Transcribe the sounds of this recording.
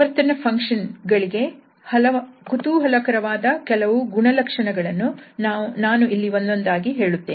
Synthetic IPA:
ɐɾt̪ɐnɐpʰɐŋkʂɐnɡɐɭiɡe̞ | hɐlɐkut̪uːɦɐlɐkɐɾɐʋaːd̪ɐkɛlɐʋuɡuɳɐlɐkʂɐɳɐɡɐɭɐnːunaːnaːnuʔilːiʋond̪o̞nd̪aːɡiɦe̞ːɭut̪ːeː

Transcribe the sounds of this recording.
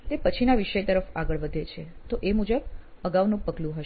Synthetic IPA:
t̪epət͡ʃʰinaʋiʃəjt̪əɾəfaɡəɭʋəd̪ʱet͡ʃʰet̪oʔemud͡ʒəb | əɡaʋnũpəɡlũɦəʃ

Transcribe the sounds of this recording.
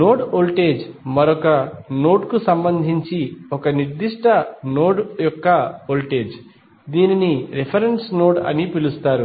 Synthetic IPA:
noːɖoːlʈeːd͡ʒmɐɾɔkɐno̞ːʈkusɐmbɐnd̪ʱiɲt͡ʃiɔkɐniɾd̪iʂʈʰɐnoːɖjɔkːɐoːlʈe̞ːd͡ʒ | d̪iːniniɾepʰɐɾenʈsno̞ːʈɐ̰nipilust̪aːɾu

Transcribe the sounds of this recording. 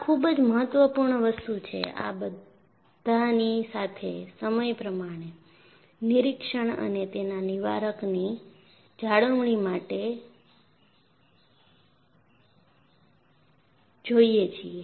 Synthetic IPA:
kʰubəd͡ʒməɦət̪ʋəpuɾɳəʋəst̪ut͡ʃʰḛa̰bə | d̪ʱanisat̪ʰesəməjpɾəmaɽ̃e | niɾikʂəɳ̃ə̰net̪enaniʋa̰ɾəkni | d͡ʒaɽəʋɳ̃imaʈe | d͡ʒoiet͡ʃʰie

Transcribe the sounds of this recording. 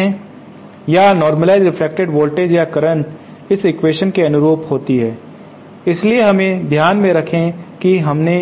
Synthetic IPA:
ɛ̃ | janɔːɾməlaːɪzɾɪfʰlek̚ʈeɖʋoːlʈeːd͡ʒjakɐɾəɳʈ | ɪsɪkweːʃənkeɐnʊɾoːpɦoːt̪iɦɛː | ɪslieɦɐmẽd̪ʱjaːnmẽɾɐkʰẽkiɦɐmne

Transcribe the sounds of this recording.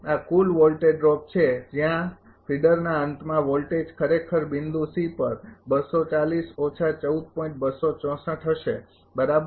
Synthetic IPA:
akulʋɔlʈeɖɾɔp̚t͡ʃʰed͡ʒjã | pʰiɖəɾnaənt̪ʰmãʋɔlʈed͡ʒkʰəɾekʰəɾbɪnd̪usipəɾbəsot͡ʃalisɔt͡ʃʰat͡ʃəud̪̚pɔ̃ĩʈ̚bəsot͡ʃɔ̃səʈɦəʃe | bəɾab

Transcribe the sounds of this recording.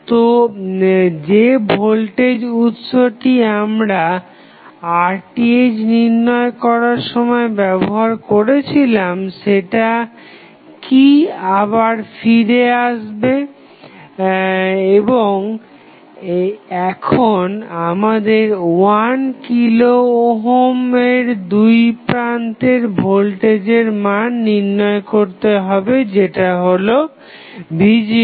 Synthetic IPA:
t̪o | d͡ʑebʱolʈed͡ʑut̪ʃoʈiamɾa | aɾʈied͡ʑniɾnɔekɔɾaɾʃɔmɔebɛboɦaɾkoɾet͡ɕʰilamʃeʈa | kiaβaɾfiɾeaʃbe | eboŋ | ɛkʰonamad̪eɾwankilooɦomeɾd̪ujpɾant̪eɾbʱolʈed͡ʑeɾmanːiɾnɔekoɾt̪eɦɔbed͡ʑeʈaɦolo | bid͡ʑ

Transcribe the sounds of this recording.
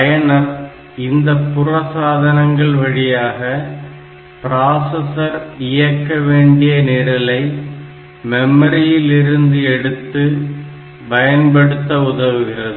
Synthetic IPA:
pɐjɐɳɐm | ɪnd̪ɐpːʊrɐsaːðɐnɐŋɡɐɭʋɐɻɪjaːɣɐ | pɪɾaːsɐsɐɾɪjɐkːɐʋeːɳɖɪjɐneːɾɐlɐɪ | mɛmɐɾɪjɪlɪɾɯnd̪ɯɛɽɯt̪ːɯ | bɐjɐnpɐɽɯt̪ːɐʊðɐʋɯɣɪrɐðɯ

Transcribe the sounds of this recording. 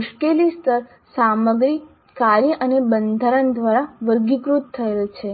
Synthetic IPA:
mʊʃkelist̪əɾ | saməɡɾi | kaɾjəʔənebənd̪ʱaɾənd̪ʋaɾaʋəɾɡikɾut̪ʰːəelt͡ʃʰe

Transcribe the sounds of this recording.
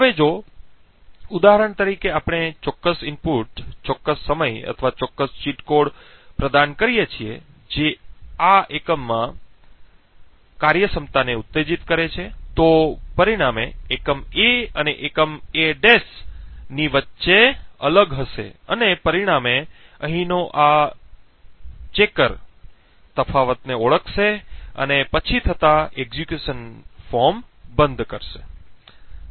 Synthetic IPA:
ɦəʋed͡ʒo | ud̪aɦəɾəɳt̪əɾikeapɳ̃et͡ʃɔkːəsɪmpuʈt͡ʃɔkːəsːəməjə̰t̪ʰəʋat͡ʃɔkːəst͡ʃiʈkoɽpɾəd̪ankəɾijet͡ʃʰiḛ | d͡ʒeaekəmːã | kaɾjəsəmt̪aneut̪ːed͡ʒit̪kəɾet͡ʃʰet̪opəɾiɽ̃ameːkəmeəneʔekəmeɖesniʋətːʃeələɡɦəʃḛə̰nepəɾiɽ̃ameəɦĩnoʔa | t͡ʃekəɾ | t̪əfʰaʋət̪neoɭəkʰʃeə̰nepət͡ʃʰit̪ʰət̪aeɡzikjuʃənfɔɾmbənd̪ʱkəɾʃe

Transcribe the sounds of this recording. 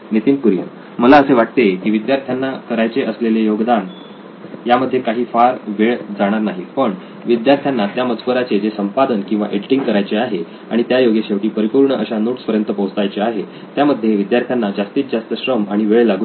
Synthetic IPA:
nit̪imkuɾjə̰ | məlaəseʋaʈ̚t̪ekiːʋid̪jaɾt̪ʰjanːakəɾajt͡seʔəslelejoɡd̪an | jaməd̪ʱːjekaɦiːfaɾʋeɭd͡zaɽ̃aɾnaɦiːpəɳ | ʋid̪jaɾt̪ʰjanːat̪jaməd͡zkəɾat͡sed͡zesəmpad̪ənkĩw̃ʋa̰ʔeɖiʈĩŋɡkəɾajt͡seaɦe | aɽ̃it̪jajoɡeɕeʋʈiːpəɾipuːɾɳəʔəɕanoʈspəɾjənt̪əpowt͡s̪ajt͡seaɦe | t̪jaməd̪ʱːjeʋid̪jaɾt̪ʰjanːad͡ʑast̪iːt͡sd͡zast̪əɕɾəmaɽ̃iʋeɭlaɡu

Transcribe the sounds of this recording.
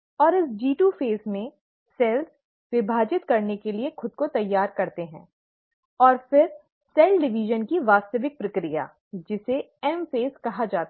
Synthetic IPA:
ɔːɾɪsd͡ʒiːʈuːfeːsmẽ | sɛːls | ʋɪbʱaːd͡ʒɪt̪kɐɾnekeliexʊd̪̚kot̪ɐjːaːɾkɐɾt̪eɦɛ̰̃ː | ɔːɾfɪɾ | sɛːlɖɪʋiʒənkiʋaːst̪əʋɪk̚pɾɐkɾija̰ː | d͡ʒɪse | ɛmfeːzkɐɦad͡ʒaːt̪a

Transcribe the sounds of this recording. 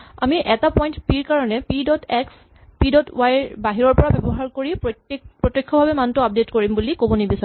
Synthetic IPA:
a̰miʔɛtapɔjntpiɹkaɹɔnɛpidɔtɛks | pidɔtwajbaɦiɹɔɹpɔɹabɔbɔɦaɹkoɹipɹɔtpɹɔtjɔkʰːɔbʱabɛmantɔap̚detkoɹimbulikobɔnibisa

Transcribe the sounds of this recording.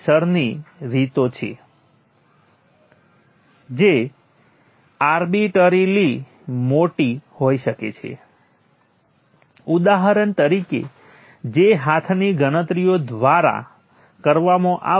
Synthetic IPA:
ʃəɾniɾit̪ot͡ʃʰḛ | d͡ʒe | aɾbiʈəɾili | moʈihojʃəkḛt͡ʃʰḛ | ud̪aɦaɾəɳt̪əɾikḛ | d͡ʒeɦat̪ʰniɡəɽ̃ət̪ɾijod̪ʋaɾa̰ | kəɾʋamõʔa̰

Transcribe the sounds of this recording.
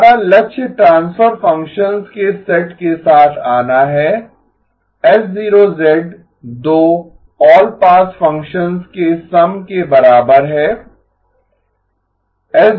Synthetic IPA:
ɾalɐkʃʰʈɾãːnsfəɾfɐ̃ŋkʃənzkesɛʈkesaːt̪ʰaːnaɦɛː | ɛsziːɾozɛɖ | d̪oː | ɔːlpaːsfɐ̃ŋkʃənzkesɐmkebɐɾaːbəɾɦɛː | ɛs

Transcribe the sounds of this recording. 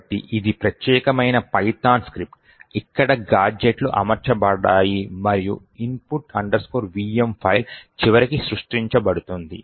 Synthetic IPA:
ʈːḭʔid̪ipɾɐt̪jɛːkɐmɐjnɐpɐjt̪aːnskɾip̚ʈ | ikːɐɽɐɡaːɾd͡ʒeʈluʔɐ̰mɐɾt͡ʃɐbɐɽaːjimɐɾiju | impuʈɐɳɖɐɾskoːɾʋiːempʰɐjlt͡ʃiʋɐɾikisɾuʂʈɾiɲt͡ʃɐbɐɽut̪und̪ḭ

